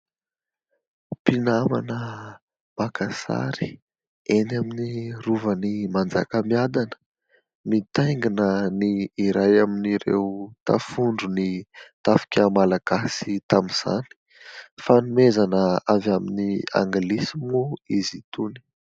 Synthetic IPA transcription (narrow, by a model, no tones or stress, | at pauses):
pinama̰nə | makasa̰ɾi̥ | enaminiruvənimand͡za̰kəmiad̪anə̥ | mit̪ajŋɡinəniːɾajaminiɾḛwut̪a̰fuɳɖ͡ʐunit̪afi̥kʲəmalaɡ̥asit̪amiz̥a̰ni̥ | fanumezanəavaminia̰ŋɡlisimuizit̪uni̥